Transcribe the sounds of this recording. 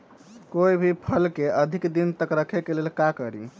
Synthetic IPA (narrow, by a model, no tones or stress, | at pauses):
koibʱipʰəlkeʔəd̪ʱikd̪int̪əkɾəkʰekelelkakəɾḭ